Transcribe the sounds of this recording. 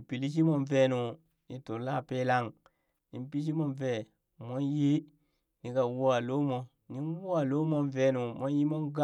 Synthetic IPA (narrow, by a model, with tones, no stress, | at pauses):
i˨pi˨li˦ʃ̬i˦mo˦˨nve˦nu˨ | ni˨to˨la˦˨pe˦la˦˨ŋ | ni˦mpi˦ʃ̬i˦mo˦nve˦˨ | mo˦nji˦ | ni˨ka˨wu˦a˨lo˦mo˨ | ni˦n˦wu˦a˨lo˦mo˦nve˦nu˨mo˦nji˦mo˦ŋɡa˦